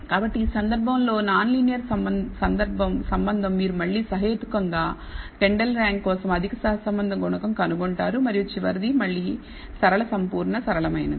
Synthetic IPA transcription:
kaːbɐʈːiiːsɐnd̪ɐɾbʱɐmlo̞ːnaːnlinijɐɾsɐmsɐnd̪ɐɾbʱɐmsɐmbɐnd̪ʱɐmːiːɾumɐɭːiːsɐɦɐet̪u̥kɐŋɡaː | ke̞ɳɖɐlɾaːŋɡːɔːsɐmɐd̪ʱikɐsɐɦɐsɐmbɐnd̪ʱɐɡɔɳɐkɐmkɐnuɡoɳʈaːɾumɐɾijut͡ʃiʋɐɾid̪imɐɭːiː | sɐɾɐɭɐsɐmpuːɾɳɐsɐɾɐɭɐmɐjnɐ̰i

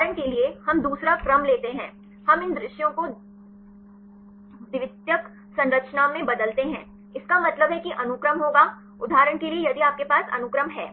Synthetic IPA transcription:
ɾəɽ̃keliehɐmd̪uːsɾakɾɐmleːt̪eɦɛ̃ː | hɐmɪnd̪ɾɪʃjõko | d̪ɪʋɪt̪jək | sɐ̃nɾəkt͡ʃnamẽbɐd̪əlt̪eɦɛ̰̃ː | ɪskamɐt̪ləbɦɛkiʔɐnʊkɾəmɦoːɡa | ʊd̪ʱaːɾəɳkeliejɐd̪iaːp̚kepaːsɐ̰nʊkɾəmɦɛː

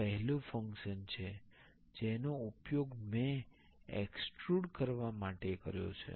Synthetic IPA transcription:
əɦɛlũfə̃ŋkʃənt͡ʃʰe | d͡ʒenoupjoɡme | ḛkskɾuɽkəɾʋamaʈekəɾjo̰t͡ʃʰḛ

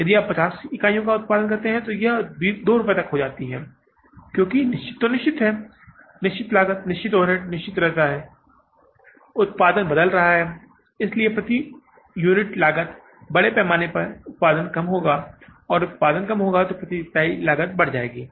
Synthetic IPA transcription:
jɐd̪iaːppːɐt͡ʃaːsɪkaːijõkaʊt̪̚paːd̪ənk̬ɐɾt̪eɦɛ̃t̪ojɐɦbiːd̪oːɾʊpet̪ɐkɦod͡ʒaːt̪iɦɛː | kjõːkinɪʃt͡ʃɪ̥t̪ːonɪʃt͡ʃɪt̪ɦɛː | nɪʃt͡ʃɪt̪laːɡət̪nɪʃt͡ʃɪt̪ɔːnɪʈnɪʃt͡ʃɪt̪ɾɛɦt̪aɦɛː | ʊt̪̚paːd̪ənbɐd̪əlɾɐɦaɦɛː | ɪsliepɾɐt̪i | juːnɪʈlaːɡət̪ | bɐɽepɛːmaːnepɐɾʊt̪̚paːd̪ənkɐmɦoːɡaːɔːɾʊt̪̚paːd̪ənkɐmɦoːɡat̪opɾɐt̪it̪aːilaːɡət̪̚bɐɽ̤d͡ʒaːeːɡiː

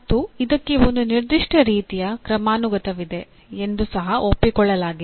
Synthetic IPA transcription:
ɐt̪ːuid̪ɐkːeunːuniɾd̪iʂʈʰɐɾiːt̪ijɐkɾɐmaːnuɡɐt̪ɐʋid̪e̞ | end̪usɐɦɐʔopːikɔɭːɐlaːɡi

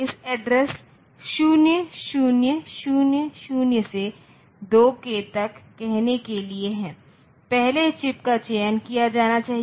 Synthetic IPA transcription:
ɪsɛɖɾɛs | ʃuːnjəʃuːnjəʃuːnjəʃuːnjəse | d̪oːket̪ɐkːɛɦnekelieɦɛ̃ː | pɛɦlet͡ʃɪpkat͡ʃeːənkijad͡ʒaːnat͡ʃaːɦi

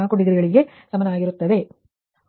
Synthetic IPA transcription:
aːkoɳɖiɡ̪ɐɾiɡɐɭiɡe̞ | sɐmɐnɐaːɡiɾut̪ːɐd̪e̞

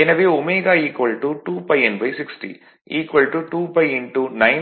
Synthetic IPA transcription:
enɐʋeːomeːɡaːiːkʋɐlʈuʈuːpɐjenbʱɐjsiksʈḭ | iːkʋɐlʈuʈuːpɐjiɳʈunɐj

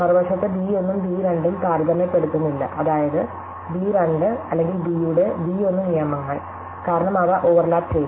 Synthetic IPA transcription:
pɐrʋɐʂɐt̪ːebiːo̞nːumbiːɾɐɳɖimkaːɾd̪ɐmepːe̞ɽut̪ːunːilːɐ̰ʔɐðaːjɐðɨ | biːɾɐɳɖɨɐlːe̞ŋɡilbiːjuɽebiːo̞nːumnijɐmɐŋːɐɭ | kaːɾɐɳɐmɐʋɐʔoʋɐrlaːp̚t͡ɕej

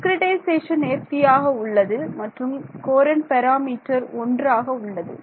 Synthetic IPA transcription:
kɾɪʈɐɪseːʂɐneːɾt̪ɪjaːɣɐʊɭːɐðɯmɐʈrɯmkoːɾɐnpɐɾaːmiːʈːɐɾɔndraːɣɐʊɭːɐðɯ̰

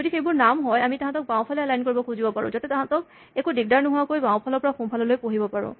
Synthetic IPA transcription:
zodixejbʊɹnamɦɔjamitaɦãtɔk̚baw̃pʰalɛalajnkoɹibɔkʰuzibɔpaɹʊ̰̃zatɛtaɦãtɔk̚ | ekudiɡ̚daɹnʊɦʊakojbãw̃pʰalɔɹpɔɹaxũpʰalɔlojpoɦibɔpaɹʊ̰̃

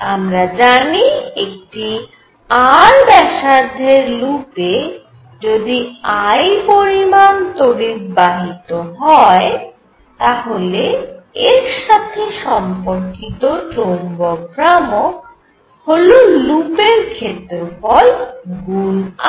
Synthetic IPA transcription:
amɾad͡ʑaniek̚ʈi | aɾbɛʃaɾd̪ʱeɾlupe | d͡ʑod̪iajpoɾimant̪oɾiɾbaɦit̪oɦɔe | t̪aɦoleeɾʃat̪ʰeʃɔmpoɾkit̪oʈoŋboɡɾamok | hololupeɾkʰet̪ofɔlɡun

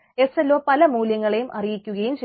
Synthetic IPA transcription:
e̞selːo̞ːpɐlɐmuːljɐŋːɐɭe̞jumʔɐ̰rijikʲːuɣɐjumt͡ɕe

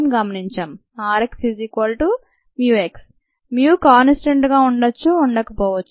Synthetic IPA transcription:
mɡɐmɐniɲt͡ʃɐm | aːɾekspʰizikʋɐlʈu | mjuːeks | mjuːkaːnsʈɐɳʈɡaːuɳɖɐt͡ʃːuːɳɖɐkɐpɔːʋɐt͡ʃːu

